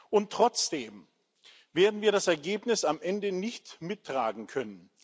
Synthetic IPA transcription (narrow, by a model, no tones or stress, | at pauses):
ʔʊntːʁ̥ɔt͡sd̥eːm | veːɐdn̩viːɐɾasɛɐɡeːpnɪsamʔɛndənɪçtmɪtːʁ̥aːɡŋ̩kʰœnən